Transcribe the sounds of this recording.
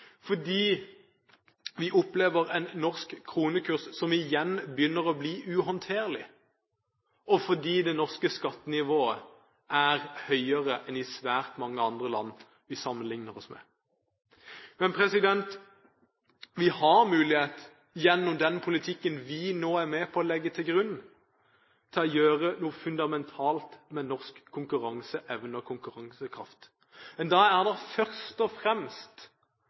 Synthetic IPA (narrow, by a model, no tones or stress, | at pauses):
fɔd̪iː | ʋɪʔʊpleːʋəʁɛnnːɔʁskkʰːʁuːnəkʰʉʁssɔmɪjɛnbjʏnːəʁɔbliːʔʉːɦɔnt̪ʰeːʁlɪ | ɔfɔd̪iːd̪ɛnɔʁskəskɑt̪ːənɪʋoːə | ʔæʁhœʏəʁəʔɛnɪsʋæːʁt̪mɑŋːəɑnd̪ʁəlɑ̰nː | ʋɪsɑmːənlɪŋnəʁɔsmɛ̰ː | mɛnpʰɾɛsɪd̪ɛnt̪ | ʋɪhɑɾmʉːlɪheːt̪ | jɛnːɔmd̪ɛnpʰʊlɪt̪ʰɪkːənʋɪnoːæʁmeːpʰɔːlɛɡːət̪ʰɪlɡʁʉnː | t̪ʰɪlɔjøːʁənuːəfʉnd̪ɑmɛnt̪ʰɑːlt̪mɛnɔʁskʰːʊŋkʉʁɑŋsəʔɛʋnəɔkʰʊŋkʉʁɑŋsəkʰʁɑ̰ft̪ | mɛnd̪ɑæɾd̪ɛfœʁst̪ɔfɾɛmst̪